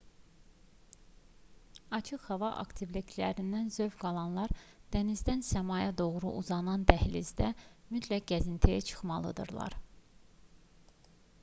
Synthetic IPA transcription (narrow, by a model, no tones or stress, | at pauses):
ɑt͡ʃʰɯχhɑvɑʔɑ̰kt̪ʰivlikʲʰlæɾind̪ænzø̞vɡɑlˠɑnlˠɑɾd̪̥ænizd̪ænsæmɑjɑd̪o̞ɣɾṵʔuzɑnɑnd̪æhlizd̪æmyt̪ʰlæk̚ɡæzint̪ʰejæt͡ʃʰɯ̥χmɑlˠɯ̰d̪ɯ̰ɾlˠɑ̰ɾ